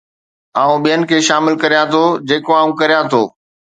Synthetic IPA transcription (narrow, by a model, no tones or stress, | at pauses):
aːũɓijənɪ̆kʰeːʃaːmɪlkɐɾijãt̪ʰod͡ʑeːkoaːũkɐɾijãt̪ʰoː